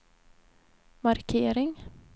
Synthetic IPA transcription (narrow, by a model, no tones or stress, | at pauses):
maɾkʰeːɾɪŋ